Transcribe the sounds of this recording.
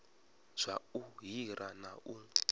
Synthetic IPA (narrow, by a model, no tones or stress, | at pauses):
z̥ʷauɦiɾanaʔu